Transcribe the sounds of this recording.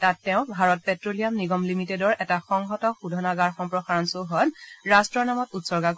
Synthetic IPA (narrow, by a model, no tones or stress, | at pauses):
tatːɛʊ̃bʱaɹɔt̚pɛtɹolijamniɡɔmlimitedɔɹɛtaxɔŋɦɔtɔxudʱɔnaɡaɹxɔmpɹɔxaɹɔnsoɦɔnɹastɹɔɹnamɔtutsɔɹɡak